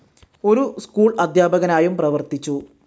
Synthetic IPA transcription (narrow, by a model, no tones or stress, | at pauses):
o̞ɾuskuːɭɐd̪ʱjaːbʱɐɣɐnaːjumprɐʋɐrt̪it͡ɕːu